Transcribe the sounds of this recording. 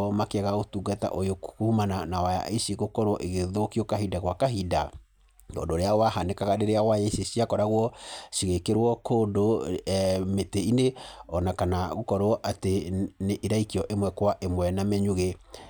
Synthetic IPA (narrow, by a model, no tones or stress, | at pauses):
makeɛɣaɣotuɡata̰ʔojokkuhumananawaja̰ʔeʃiɣokɔɾwɔʔeɣeðokiokaɦidaɣwakaɦida̰ | ɡɔ̰ːndoɾeawahanekaɣaɾeɾeawajeseɕiakɔɾaɣwɔʃiɣekeɾwɔkoːndo | meteineɔnakanaɣokɔɾwɔʔateneʔiɾaikiɔʔemwɛkwaʔemwɛnamɛɲuɣe